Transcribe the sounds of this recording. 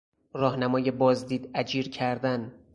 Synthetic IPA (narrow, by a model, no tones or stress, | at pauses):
ɾɒːhnæmɒːje̞bɒːzd̪iːd̪æd͡ʒiːɾcʰæɾd̪æn